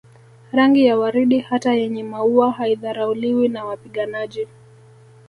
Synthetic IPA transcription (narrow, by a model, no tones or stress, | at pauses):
ɾaŋɡijawaɾiɗihatajɛɲɛmauahaiðaɾauliwinawapiɠanaʄi